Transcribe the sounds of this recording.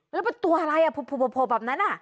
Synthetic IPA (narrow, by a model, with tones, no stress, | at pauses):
lɛː˧˦˥pa˧˦t̪u˧əʔa˧la˧jʔa˧˩pʰu˧˩pʰːuː˧˩pʰɔ˧pʰoː˧˩bɛː˨˩p̚na˦˥nʔa˧˩